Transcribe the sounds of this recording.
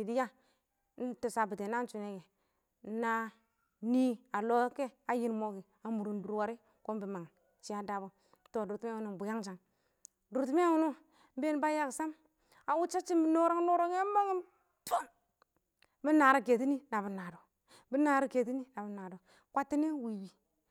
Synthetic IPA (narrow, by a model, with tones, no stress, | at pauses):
i˨di˦ja˦ | n̩˦tu˨sa˨bi˨te˨na˦n˦t͡ʃu˨ne˦ɡe˨˦ | na˦ | ni˦a˨lo˦ke˦a˨ji˦nmo˦ɡi˨ | a˨mu˨ɾu˨n˦du˨ɾwa˨ɾi˦ | ko˦m˦bi˨ma˨ŋ | t͡ʃi˦a˦da˨bo˦ | to˨du˨ɾtu˦m˦˨u˨nu˦˨bu˨ja˦ŋt͡ʃa˨ŋ | du˨tu˦mi˦a˦wu˦no˦ | m˦be˦n˦ba˦ja˦ksa˦m | a˨wu˦t͡ʃa˦t͡ʃi˦m˦no˦ɾo˦ŋ˦no˦ɾo˦a˦ma˦ŋi˦ | to˦n | bi˦na˨ɾi˦ke˨ti˦ni˦na˨bi˨na˨do˨ | bi˦na˨ɾi˦ke˨ti˦ni˦na˨bi˦na˨do˨ | kʷa˦tːi˦ne˦wi˨bi˨